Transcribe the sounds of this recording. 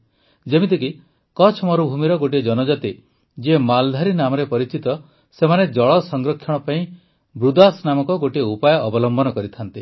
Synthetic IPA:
d͡ʒemit̪iki | kɔt͡ʃʰmɔɾubʱumiɾɔɡoʈid͡ʒɔnɔd͡ʒat̪i | d͡ʒemald̪ʱaɾinamɔɾepɔɾit͡ʃit̪ɔ | semaned͡ʒɔɭɔsɔŋɡɾɔkʰːjɔɽ̃ɔpaĩ | bɾud̪asnamɔkɔɡoʈiupajɔʔːbɔlɔmbɔnɔkɔɾit̪ʰant̪i

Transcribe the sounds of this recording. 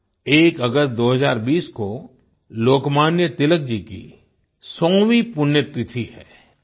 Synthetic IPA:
eːkəɡəst̪̚d̪oːɦəzaːɾbiːsko | loːkmaːnjət̪ɪlək̚d͡ʒiːkḭ | sɔ̃ːwipʊnjət̪ɾɪt̪ʰihɛ̰ː

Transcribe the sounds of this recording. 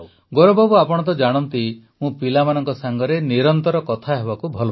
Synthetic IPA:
ɡoɾobʱɔbuapɔɽ̃ɔnt̪̬ɔd͡ʒaɽ̃ɔnt̪i | mũpilamanɔŋkɔsaŋɡɔɾeniɾɔnt̪ɔɾɔkɔt̪ʰaɦebakubʱɔl

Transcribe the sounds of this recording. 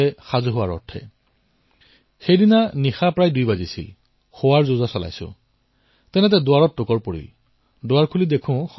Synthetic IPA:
ɛxazɦʊwaɹɔ̰ɹtʰɛ̰ | xejdinanixapɹajdujbazisḭl | xowaɹzozasɔla̰jsʊ̰̃ | tɛnɛtɛdʊwaɹɔtːʊkɔɹpoɹḭl | dʊwaɹkʰulidekʰʊ̃

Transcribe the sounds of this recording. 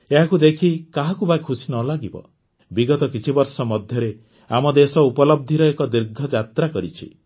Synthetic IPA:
eɦakud̪ekʰikaɦakubajkʰusinɔlaɡibɔ̰ | biɡɔt̪ɔkit͡ʃʰibɔɾsɔmɔd̪ʱjɔɾe | amɔd̪esɔupɔlɔb̚d̪ʱiɾɔekɔd̪iɾɡʱɔd͡ʒat̪ɾakɔɾit͡ʃʰḭ

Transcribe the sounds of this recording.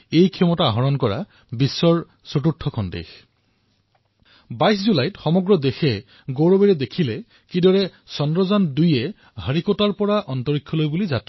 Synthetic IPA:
ejkʰɛmɔtaɦɔɹɔnkɔɹa̰ | bisːɔɹ | sotutʰːɔkʰɔndḛx | bajs̬zulajtxɔmɔɡɹɔdexɛ | ɡoɹɔbeɹɛdekʰilɛ | kidɔɹɛsɔndɹɔzandujɛ | həɹikɔtaɹpɔɹaʔɔntɔɹikʰːɔlojbulizat

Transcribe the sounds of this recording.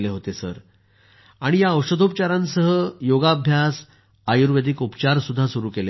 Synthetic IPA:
leɦot̪esə̰ɾ | aɽ̃ijaəwʂəd̪ʱop̚t͡ɕaɾãnsəɦəjoɡabʱjas | ajuɾʋed̪ʱikupt͡ɕaɾsud̪ʱːasuɾuːkele

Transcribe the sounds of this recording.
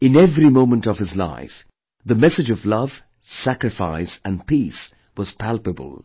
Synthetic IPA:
ɨ̃nɛvɾimõʊ̃mə̃ntʌv̥ɨzla̰ɪf | ðəmɛsɨd͡ʒʌvlʌv̥ | sækɹɨfa̰ɪsɨ̃npʰis | wʌz̥pʰælˠpəbə̰lˠ

